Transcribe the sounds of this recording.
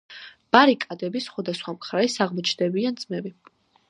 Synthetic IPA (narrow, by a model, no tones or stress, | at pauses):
b̥aɾikʼad̪ɛbisχwad̪asχwamχɾaisaʁmɔt͡ʃʰd̪ɛbiand̪z̥mɛbi